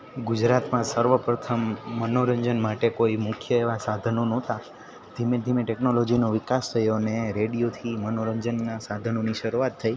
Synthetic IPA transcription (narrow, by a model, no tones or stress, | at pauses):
ɡud͡ʒɾat̪mãsəɾʋəpɾət̪ʰəmːənoɾəɲd͡ʒənmaʈekoimʊkʰjəeʋasad̪ʱənonõt̪a | d̪ʱimed̪ʱimeʈeknolod͡ʒinoʋɪkast̪ʰəjoneɾeɽijot̪ʰimənoɾəɲd͡ʒənːasad̪ʱənoniʃəɾuat̪ʰːəi